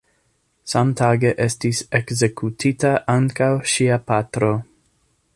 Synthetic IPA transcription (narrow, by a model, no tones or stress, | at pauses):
samtʰaɡe̞ʔestisekze̞kʰutʰitaʔaŋkawʃiapatɾo̞